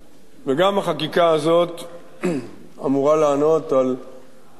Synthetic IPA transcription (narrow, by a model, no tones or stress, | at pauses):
veɡamaχakikaazo̞t̪ | a̰muʁalaːno̞t̪al